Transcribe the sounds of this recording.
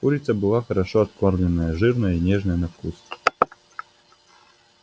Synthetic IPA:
kuɾʲɪt̪səbɨlˠaxəɾaʂoɐt̪korlʲɪnːəjəʐɨrnəjəinʲeʐnəjənɐfkus

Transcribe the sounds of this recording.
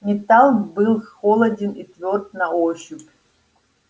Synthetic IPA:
nʲit̪alˠbɨlˠxolˠɐdʲinit̪vʲort̪̚naoʃupʲʰʼ

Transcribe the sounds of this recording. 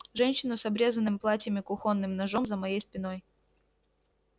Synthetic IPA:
ʐɛnʲɕːɪnʊsɐbɾʲe̞zənːɨmʲplˠatʲjəmʲɪkʊxo̞nːɨmnɐʐo̞mzəmɐjejspʲɪno̞j

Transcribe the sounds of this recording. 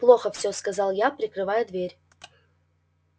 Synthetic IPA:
plˠoxəfsʲoskɐzɑlˠjapɾʲɪkɾɨvajʊd̪vʲeɾʲ

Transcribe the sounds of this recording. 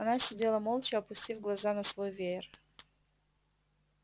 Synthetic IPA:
ɐnasʲɪdʲe̞lˠəmolˠt͡ɕɪɐpʊsʲtʲivɡlˠɐzanɐsvojvʲer

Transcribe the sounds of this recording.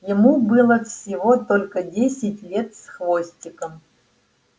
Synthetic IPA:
jɪmubɨlˠəfsʲɪvo̞t̪olʲkədʲesʲɪtʲlʲe̞t̪sxvosʲtʲɪkəm

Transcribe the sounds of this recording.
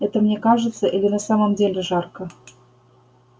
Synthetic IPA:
ɛt̪əmnʲekaʐɨt̪səʔilʲɪnasaməmdʲelʲɪʐɑrkə

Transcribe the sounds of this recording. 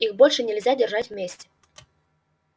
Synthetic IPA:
ixbɔlʲʂɨnʲɛlʲzʲad͡zʲɛrʐat͡sʲwmʲesʲt͡sʲɛ̥

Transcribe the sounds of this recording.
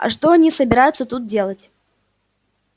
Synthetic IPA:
ɐ̰ʂt̪oɐnʲisəbʲɪɾajʊt̪sət̪ut̪̚dʲe̞lˠətʲ

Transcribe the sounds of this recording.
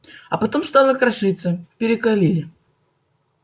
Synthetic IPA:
ɐpɐt̪o̞mst̪ɑlˠəkɾɐʂɨt̪səpʲɪɾʲɪkɐlʲilʲɪ

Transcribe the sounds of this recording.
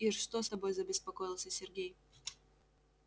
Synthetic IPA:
iʂʂt̪ost̪ɐbo̞jzəbʲɪspɐkojɪlˠsʲəsʲɪrɡʲej

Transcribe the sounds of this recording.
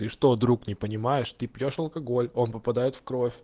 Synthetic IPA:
ɨʂt̪o̞d̪ɾuknʲɪpənʲɪmajɪʂt̪ɨpʲjoʂɐlˠkɐɡo̞lʲo̞npəpɐd̪ajɪt̪fkɾo̞fʲ

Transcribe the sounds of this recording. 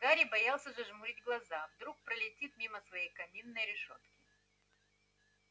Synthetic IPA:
ɡ̪aɾʲibɐjalˠsʲəʐɨʐmʊɾʲidʲɡlˠɐzavd̪ɾuk̚pɾəlʲɪtʲit̪̚mʲiməsvɐjejkɐmʲinːəjɾʲɪʂo̰t̪kʲɪ

